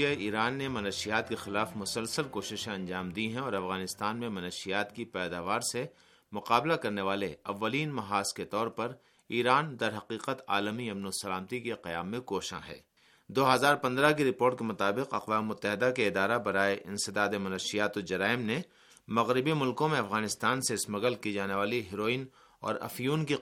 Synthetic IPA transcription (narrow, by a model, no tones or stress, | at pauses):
aiːɾaːnːemɐnəʃijaːt̪̚kexɪlaːfmʊsəlsəlkoːʃɪʃẽɐ̃ɲd͡ʒaːmd̪iɦɛ̃ɔːɾɐfɣaːnɪst̪aːnmẽmɐnəːʃijaːt̪kipɛːd̪aːʋaːɾse | mʊqaːblakɐɾneʋaːleɐʋːəliːnmɐɦaːsket̪ɔːɾpɐɾ | iːɾaːnd̪ɐɾɦɐqiːqət̪a̰ːləmiɐmnosɐlaːmt̪ikeqɐjaːmːẽkoːʃã̰ɦɛ̰ː | d̪oːɦɐzaːɾpɐ̃nd̪ɾakiɾɪpoːɾʈ̚kemʊt̪aːbɪqɐqʋaːmemʊt̪ːəɦɪd̪akeɪd̪aːɾabɐɾaːeʔɪ̰̃nsɪd̪aːd̪emʊnəʃijaːt̪od͡ʒɐɾaːɪmne | mɐɣɾɪbimʊlkõmẽɐfɣaːnɪst̪aːnseɪsmɐɡəlkid͡ʒaːneʋaːliɦɪɾoːiːn | ɔ̰ːɾɐ̰fjuːnki